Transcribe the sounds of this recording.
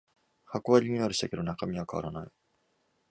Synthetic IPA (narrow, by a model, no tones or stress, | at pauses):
hakoβaɾʲiɲiaɾɯ̟ɕi̥t̪ake̞d̪o̞nakamʲiβakaβa̰ɾanai